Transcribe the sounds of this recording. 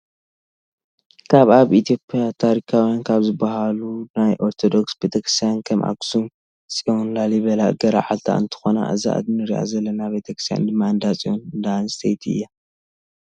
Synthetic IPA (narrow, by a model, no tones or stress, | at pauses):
kʰaβaβit̪ʰijo̞pʼijat̪ʰaɾikʰawjankʰaβzɨbːaɦalunajʔo̞ɾt̪ʰod̪o̞ksbet̪ʰɐkɾɨ̥st̪ʰjankʰɐmʔa̰ksum | t͡sʼionlaliβɐlaɡɐɾa̰ʕalt̪ʰa̰ʔɨ̰nt̪ʰɨ̥xo̞na̰ʔɨ̰za̰ʔa̰d̪nɨɾiʔa̰zɐlːɐnaβe̞t̪ʰɐkɾɨ̥st̪ʰja̰nd̪ɨmːaɨnd̪at͡sʼionɨnd̪anst̪ʰejt̪ʰɨ̰jːa